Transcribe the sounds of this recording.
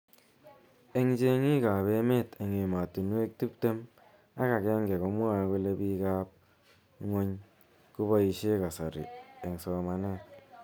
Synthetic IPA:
e˨ŋt͡ʃe˦ŋi˦ka˨be˦me˦˨te˨ŋe˨ma˨tu˨nwe˦k̚ti˦p̚te˦m | a˦ka˨kɛ˦ŋɡe˨ko˨mwa˦ku˦le˦bi˦ka˦p̚ | ŋo˦ɲ | ku˦bɔ˦i˨ʃe˦ka˨sa˨ɾḭ˨e˨ŋsɔ˨ma˨ne˦˨t

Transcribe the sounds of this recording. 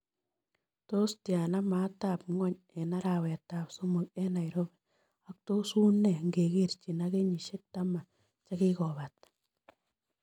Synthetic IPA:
to˦stja˨na˦ma˨˦ta˨pŋɔ˦ɲ | ɛ˨na˦ɾa˨wɛ˨ta˨pso˦mu˨k̚ɛ˦na˨jɾo˦be˨ | a˦k̚t̪o˦su˦ne˨ŋɡe˨ɡe˦ɾt͡ʃi˨na˦ɡe˦ɲi˨ʃe˦k̚ta˦ma˨ | t͡ʃa˦ɡi˦ɣɔ˨βa˨t̪̚

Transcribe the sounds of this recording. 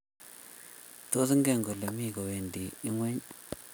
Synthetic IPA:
to˦si˦ŋɡe˦˨ŋɡo˨le˨mi˦˨ko˨we˨ndi˨i˦ŋwe˦ɲ

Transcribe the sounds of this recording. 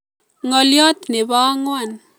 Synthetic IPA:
ŋɔljɔ˦t̪ne˨ba˦ŋwa˨n

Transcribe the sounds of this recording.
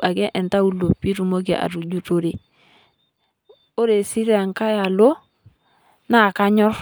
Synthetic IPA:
a˨kɛ˦ʔɛ˨nta˦u˨lo˨pːi˦ɾu˨mo˦kḛ˨ʔa̰˨ɾu˨d͡ʒu˦to˨ɾe˨ | o˦ɾe˨si˦ɾa˨ŋka˦ja˨lo˦ | na˦˨ka˦ɲɔ˦ɾ

